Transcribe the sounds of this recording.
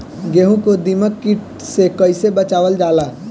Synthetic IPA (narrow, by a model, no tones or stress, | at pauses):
ɡeːɦũkod̪iməkːɪʈ | sekəɪsebət͡ʃaːʋəld͡ʒaːlaː